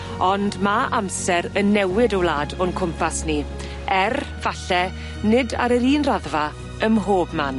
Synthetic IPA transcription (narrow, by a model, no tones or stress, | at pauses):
ɔndmaʔamsɛɾənːɛwɪdəwlˠaːdɔnkʰʊmpʰasni | ɛr | v̥aɬɛ | nɪda̰ɾəɾiːnraðva | əmɦoːbman